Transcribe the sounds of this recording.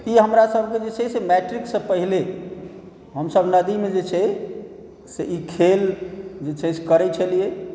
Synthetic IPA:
iɦəmɾasəbʱked͡ʒet͡ʃʰɛsemɛʈɾiksəpəɦile | ɦəmsəbʱnəd̪imed͡ʒet͡ʃʰɛ | seʔikʰeld͡ʒet͡ʃʰɛse̥kəɾɛt͡ʃʰəlije

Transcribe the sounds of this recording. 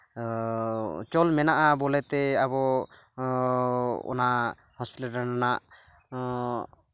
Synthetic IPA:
t͡ʃɔlmɛnaʔabɔlɛt̪ɛabɔ | ɔ̰na | hɔspitaananaʔ

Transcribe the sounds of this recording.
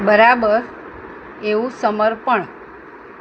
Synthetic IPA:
bəɾabəɾ | eũsəməɾpəɳ

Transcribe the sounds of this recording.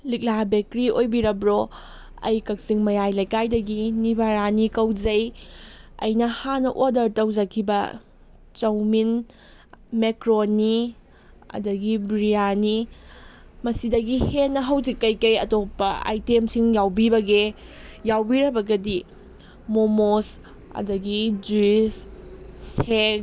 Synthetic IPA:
lik̚labekɾiojbiɾɐbɾo | ɐ̰jkɐk̚siŋmɐjajlɐjkajdɐɡinibʱaɾanikɐwzɐj | ɐ̰jnɐhanɐʔodɐɾtɐwzɐkʰːibɐ̰ | t͡ʃɐwmin | mekɾonːi | ɐ̰dɐɡibɾijani | mɐsidɐɡihenːɐɦɐwzikːɐjkɐjɐtopːɐa̰jtemsiŋjawbibɐɡejawbiɾɐbɐɡɐdi | momos | ɐ̰dɐɡid͡ʒuisse

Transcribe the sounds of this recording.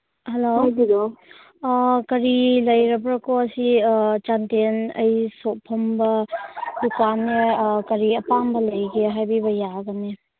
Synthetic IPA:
hɐloajbiɾo | kɐɾilɐjɾɐbɾɐkoɐsit͡ʃantenɐ̰jsopʰɔmbɐdukanːekɐɾiɐpambɐlɐjɡeɦajbibɐjaɡane

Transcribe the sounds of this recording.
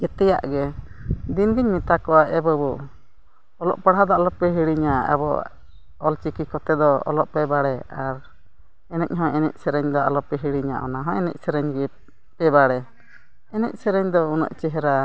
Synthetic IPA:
d͡ʒɛt̪ɛja̰ʔɡɛd̪inɡiɲmit̪akɔwaʔɛbəbu | ɔlɔ̰ʔpaɽɦad̪ɔalɔpɛɦiɽiɲaa̰bɔ̰ | ɔlt͡ʃikikɔt̪ɛd̪ɔɔ̰lɔʔpɛbaɽɛaɾ | ɛnɛc̚ɦɔ̃ɛnɛ̰ʔ̚sɛɾɛɲd̪ɔa̰lɔpɛɦiɽiɲa̰ʔɔ̰naɦɔ̃ɛnɛ̰c̚sɛɾɛɲɡɛ | pɛbaɽɛ | ɛnɛ̰c̚sɛɾɛɲd̪ɔunɔ̰ʔt͡ʃɛɦɛɾa

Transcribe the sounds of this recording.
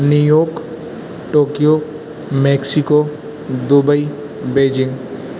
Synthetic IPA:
njujoːk | ʈoːkijo | meksiko | d̪ʊbəi | beːd͡ʒɪŋɡ

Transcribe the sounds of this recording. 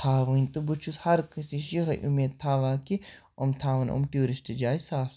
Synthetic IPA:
t̪ʰaːʋɐnʲt̪ubut͡ʃʰushɐɾkɐsiʃixɐjʔumeːd̪̚t̪ʰaːʋaːki | omt̪ʰaːʋɐno̰mʈiːɾiʃt̪ɐd͡ʒaːjsaːf

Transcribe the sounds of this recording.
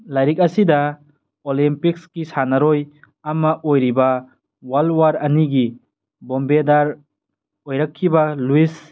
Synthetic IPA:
lajɾik̚ɐsida | olimpik̚skisanɐɾoj | ɐmɐʔojɾiba | walwaɾɐniɡi | bombedaɾ | ojɾakʰːibaluis

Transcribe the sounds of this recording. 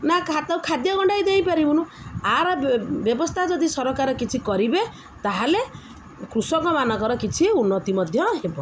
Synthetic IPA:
nakʰat̪awkʰad̪jɔɡɔɳɖajd̪ejpaɾibunũaɾɔbjɔbɔst̪ʰad͡ʒɔd̪isɔɾɔkaɾɔkit͡ʃʰikɔɾibe | t̪aɦale | kɾusɔŋkɔmanɔkɔɾɔkit͡ʃʰiunːɔt̪imɔd̪ʱjɔɦebɔ

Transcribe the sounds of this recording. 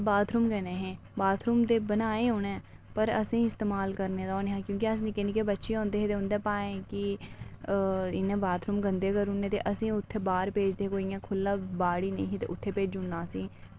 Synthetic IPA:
baːt̪ʰɾuːmkɛːnẽːɦẽː | baːt̪ʰɾuːmd̪eːbənaːeːɦʊnɛ̃ː | pəɾəsĩːɪst̪eːmaːlkəɾneːd̪aoːneːɦãːkjõːkiəs̬nikeniːkeːbətːʃiːõːnd̪eːɦeːt̪eːʊ̃nd̪eːpaːẽːkɪ | ɪnːẽːbaːt̪ʰɾuːmɡənd̪eːkəɾunːẽːt̪ḛːʔəsĩːʊt̪ʰːeːbaːɾpeːd͡ʒd̪eːeːkoːiːãːkʰʊlːãːbaːɽiːnə̰̃ĩːɦeːt̪ḛʔʊt̪ʰːeːpeːd͡ʒd͡ʒʊnːãːsĩː

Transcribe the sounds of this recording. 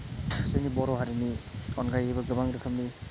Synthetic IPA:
sejnibɔɾɔɦaɾiniɔnɡajebɐɡɯbaŋɾɯkʰəmni

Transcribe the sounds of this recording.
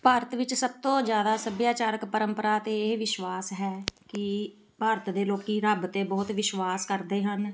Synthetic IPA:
paːɾət̪ʋɪt͡ʃsəb̚t̪õːd͡ʒjaːd̪aːsəbjaːt͡ʃaːɾəkpəɾəmpəɾaːt̪eːeʋɪʃwaːsɦɛːkɪ | paːɾət̪d̪eːloːkiːɾəbt̪eːbɔːt̪ʋɪʃwaːskəɾd̪eːɦən

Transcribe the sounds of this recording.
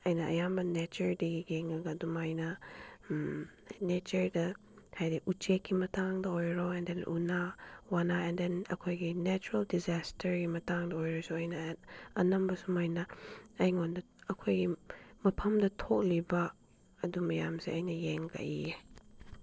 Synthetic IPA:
ɐjnɐʔɐ̰jamɐnɛt͡ʃəɹdiɡiɡeŋaɡadumajnɐ | mnɛt͡ʃəɹdɐ | hajdiʔut͡ʃekːimɐtaŋdɐɔjɾoɛndɛnʔṵnawanaɛndɛnɐ̰kʰojɡinɛt͡ʃuɾɐldizastʰəɹɡimɐtaŋdɐɔjɾɔsuɐjnaɐnɐmbɐsumajnɐɐjŋɔndɐ | ɐkʰojɡimɐpʰɐmdɐtʰɔk̚liba | ɐdumɐjamsɛʔɐjnɐjeŋka̰ʔḭ

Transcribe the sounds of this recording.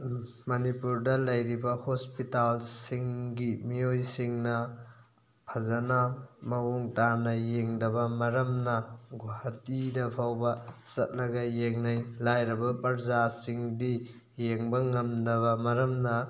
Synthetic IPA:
mɐnipuɾdɐlɐjɾibɐhospitalsiŋɡimijojsiŋnɐ | pʰɐzɐnamɐwuŋtanɐjeŋdɐbɐmɐɾɐmnɐɡohɐt̚idɐpʰawbɐsɐ̰t̚lɐɡɐjeŋnɐjlajɾɐbɐpɐɾzasiŋdi | jeŋbɐŋɐmdɐβɐmɐɾɐmnɐ

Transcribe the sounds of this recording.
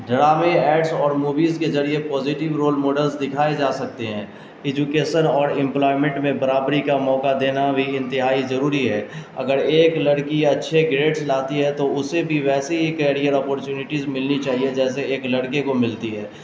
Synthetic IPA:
ɖɾaːmẽɛːʈsɔːɾmuːʋiːzkezɐɾiepɔːzɪʈɪʋɾoːlmoːɖəlzd̪ɪkʰaːed͡ʒaːsɐk̚t̪eɦɛ̃ː | ɪd͡ʒukeːʃənɔːɾɪ̃mplɔːɪmɛ̃ɳʈmẽbɐɾaːbɾikamɔːkad̪eːnabʱiɪ̃nt̪ɪɦaːizɐɾuːɾiɦɛːɐ̰ɡəɾeːklɐɽkiɐtːʃʰeɡɾeːʈslaːt̪iɦɛt̪oʊsebʱiʋɛːseɦikɛːɽijəɾɔːpɔːɾt͡ʃuːnɪʈizmɪlnit͡ʃaːɦied͡ʒɛːseeːklɐɽkekomɪlt̪iɦɛː

